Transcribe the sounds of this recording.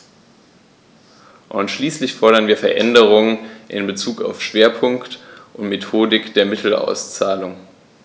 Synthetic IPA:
ʔʊntʃliːslɪçfɔɐɾɐnviːɐfɛɐʔɛndəʁ̞ʊŋənʔɪ̰nbət͡suːka̰ʊfʃv̥eːɐpʰʊŋktʔʊntmetʰoːdɪkd̥eːɐmɪtʰl̩a̰ʊst͡saːlʊŋ

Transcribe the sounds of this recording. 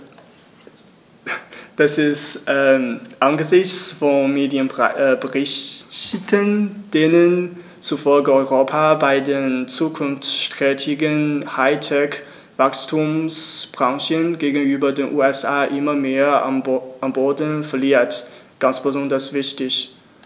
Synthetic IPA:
d̥asɪstʔɛʔanɡəzɪçt͡sfɔnmeːdjənbəʁɪ | tənd̥enən | t͡sufɔlɡəɔʏʁoːpʰabaɪdeːnt͡suːkʰʊnft͡sʃtʁ̥ɛːtʰɪɡənhaɪtʰɛk | v̥akstʰuːmsb̥ʁaŋʃənɡeːɡn̩yːbɐdeːnʔuːɛsʔaːʔɪmɐmeːɐ̰ʔamboːɐdn̩fɛɐliːɐtɡ̥ansb̥əzɔndɐsv̥ɪçtɪç

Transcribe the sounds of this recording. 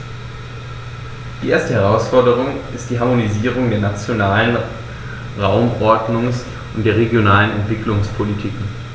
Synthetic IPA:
d̥iːʔeːɐstəhɛʁ̞aʊsfɔɐdəʁ̞ʊŋʔɪst̚d̥iːɦaɐmoniziːʁ̞ʊŋdeːɐnat͡sjonaːlən | ʁaʊmʔɔɐdnʊŋs | ʔʊntd̥eːɐʁ̞eɡjonaːlənɛntv̥ɪklʊŋspʰolitʰiːkŋ̩

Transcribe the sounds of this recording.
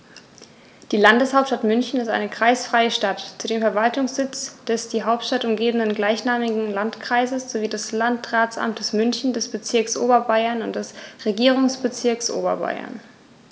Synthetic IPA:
d̥iːlandəshaʊptʃtatmʏnçn̩ɪstʔa̰ɪnəkʁ̥aɪsfʁ̥aɪəʃtatt͡sudeːmfɛɐvaltʊŋsz̥ɪt͡sd̥ɛsd̥iːɦaʊp̚tʃtatʊmɡeːbən̩ənɡlaɪçnaːmɪɡŋ̩lantkʁ̥aɪzəsz̥oviːdaslantʁaːt͡sʔa̰mtʰəsmʏnçn̩dɛsb̥ət͡sɪɐksʔo̰ːbɐbaɪɐnʊntd̥ɛsʁeɡiːʁ̞ʊŋsb̥ət͡sɪɐksʔo̰ːbɐ̰ba̰ɪɐ̰n

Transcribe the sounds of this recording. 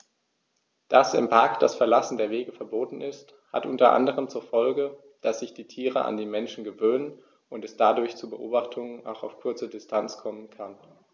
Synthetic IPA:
d̥asɛ̰mpʰaɐkd̥asfɛɐlasn̩deːɐveːɡəfɛɐboːtn̩ʔɪst | ha̰tʔʊntɐʔa̰ndəʁ̞əmt͡suːɐfɔlɡə | d̥asz̥ɪçd̥iːtʰiːʁəʔa̰ndiːmɛnʃn̩ɡəvøːnən | ʔʊntɛsd̥adʊɐçt͡suːbəʔo̰ːbaχtʰʊŋəna̰ʊxa̰ʊfkʰʊɐt͡sədɪstʰant͡skʰɔmənkʰan

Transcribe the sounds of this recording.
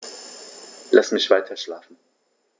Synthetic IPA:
lasmɪçv̥aɪtʰɐʃlaːfn̩

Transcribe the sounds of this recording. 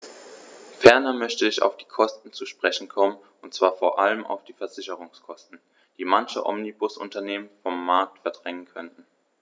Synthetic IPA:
fɛɐnɐmœçtəɪça̰ʊfd̥iːkʰɔstn̩t͡suʃpʁ̥ɛçn̩kʰɔmən | ʊntt͡sv̥aːɐfoːɐʔaləma̰ʊfd̥iːfɛɐzɪçəʁ̞ʊŋskʰɔstn̩ | d̥iːmançə̰ʔɔ̰mnibʊsʔʊ̰ntɐneːmənfɔmːaɐk̚tfɛɐd̥ʁɛŋənkʰœntn̩

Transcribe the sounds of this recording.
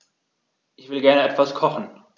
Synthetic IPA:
ʔɪçv̥ɪlɡɛɐnəɛtv̥askʰɔχn̩

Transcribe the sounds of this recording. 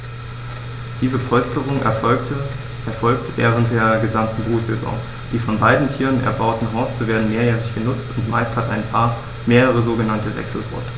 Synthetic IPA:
d̥iːzəpʰɔlstəʁʊŋ | ɛɐfɔlk̚tvɛːʁ̞ənt̚d̥eːɐɡəzamtn̩bʁuːz̥ezɔ̰̃ŋ | d̥iːfɔnbaɪdn̩tʰiːʁənʔɛ̰ɐbaʊtn̩ɦɔɐstəveːɐdn̩meːɐjɛːʁɪçɡ̥ənʊt͡stʊntma̰ɪsthataɪnpʰaːɐ | meːʁəʁ̞əzoːɡənantəvɛ̰ksl̩fɔ̰stə

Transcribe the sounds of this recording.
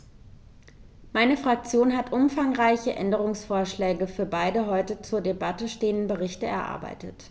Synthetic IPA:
maɪnəfʁ̥ak̚t͡sjoːnɦatʔʊmfaŋʁaɪçəʔɛ̰ndəʁ̞ʊŋsfoːɐʃlɛːɡəfyːɐbaɪdəɦɔʏtət͡suːɐdebatəʃteːəndn̩bəʁɪçtəɛ̰ɐʔa̰ɐba̰ɪtət

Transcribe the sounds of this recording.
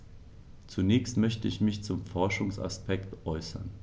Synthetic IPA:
t͡sunɛːçstmœçtəɪçmɪçt͡sʊmfɔɐʃʊŋsa̰spɛktʔɔʏsɐ̰n

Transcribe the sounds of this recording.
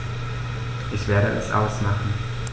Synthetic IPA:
ʔɪçv̥eːɐɾəʔɛ̰sʔa̰ʊsmaχn̩

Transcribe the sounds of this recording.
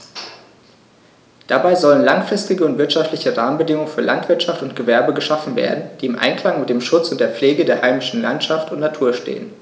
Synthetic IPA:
d̥abaɪzɔlənlaŋfʁ̥ɪstɪɡəʊntv̥ɪɐtʃaftlɪçəʁaːmənbədɪŋʊŋənfyːɐlʔa̰ntv̥ɪɐtʃaftʊntɡ̥əvɛɐbəɡəʃafn̩vḛːɐdn̩d̥iːɪmʔa̰ɪnkʰl̥aŋmɪt̚d̥eːmʃʊt͡sʊntd̥eːɐp͡fleːɡədeːɐhaɪmɪʃn̩la̰ntʃaftʊntnatʰuːɐʃtḛːən

